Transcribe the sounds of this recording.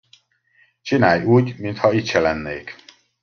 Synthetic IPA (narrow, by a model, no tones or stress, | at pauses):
t͡ʃinaːjuːɟmint̪hɒit̪ʃɛlɛnːeːk